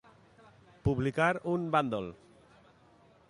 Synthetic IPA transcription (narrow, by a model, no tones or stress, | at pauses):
publikaɾunband̪ɔl